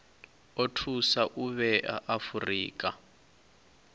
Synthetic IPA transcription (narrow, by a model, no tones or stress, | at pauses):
otʰusaʔuβɛa̰ʔafurḭːkʼa̰